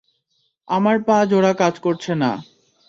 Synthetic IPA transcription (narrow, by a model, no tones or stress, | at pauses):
amaɾpãd͡ʑoɽakad͡ʑkoɾt͡ɕʰena̰